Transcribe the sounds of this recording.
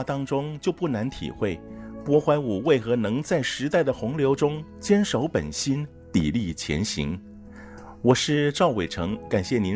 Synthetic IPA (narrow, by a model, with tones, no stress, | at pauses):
t̪ɑ˥ŋʈ͡ʂʊ˥ŋt͡ɕjo˥˧ʊpu˥˩na˧˥nt̪ʰḭ˨˩xwe˥˩ɪpwɔ˥xwa˧˥ɪu˨˩we˥˩ɪxɤ˧˥nɤ˧˥ŋt͡sa˥˩ɪʂɻ̩˧˥t̪a˥˩ɪd̪ə˩xʊ˧˥ŋljo˧˥ʊʈ͡ʂʊ˥ŋt͡ɕjɛ˥nʂo˧˥ʊpə̰˨˩nɕi˥n | t̪ḭ˨˩li˥˩t͡ɕʰjɛ̰˧˥nɕḭ˧˥ŋ | wɔ˨˩ʂɻ̩˥˧ʈ͡ʂɑ˥˩ʊwe˨˩ɪʈ͡ʂʰɤ˧˥ŋka˨˩nɕjɛ˥˩ni˧˥